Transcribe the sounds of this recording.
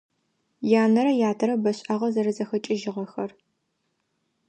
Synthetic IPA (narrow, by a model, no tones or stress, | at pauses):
jaːnɐɾɐjaːtʰɐɾɐbɐɕʼɐʁɐzɐɾɨzɐxɐt͡ʃʼɪʒɪʁɐxɐr